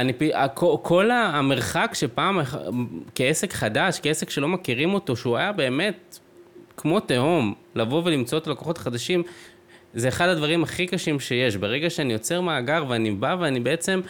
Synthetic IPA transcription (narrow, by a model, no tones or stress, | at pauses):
anipiakʰokʰo̞lame̞ʁχakʃe̞paːmekeese̞kχadaʃkeese̞kʃe̞lo̞makiʁimo̞to̞ʃeuajabe̞ːme̞t̪̚ | kʰmo̞teomlavo̞ve̞limt͡so̞et̪alakoχo̞t̪χad̪aʃim | zeːχad̪ad̪vaʁimaχikaʃimʃe̞je̞ʃbeʁe̞ɡaʃeanijo̞t͡se̞ʁmaːɡaʁveanibaveanibe̞e̞t͡se̞m